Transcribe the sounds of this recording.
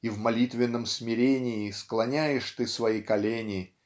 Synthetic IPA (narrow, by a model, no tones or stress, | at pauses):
ivmɐlʲit̪vʲɪnːəmsmʲɪɾʲenʲɪːsklˠɐnʲæjɪʂt̪ɨsvɐjikɐlʲenʲɪ